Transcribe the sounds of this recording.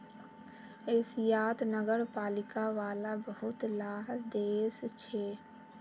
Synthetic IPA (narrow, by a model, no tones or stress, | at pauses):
ɪsjaːt̪nəɡəɾpaːlɪkaʋaːlabəɦʊt̪laːɦd̪eːst͡ʃʰɛː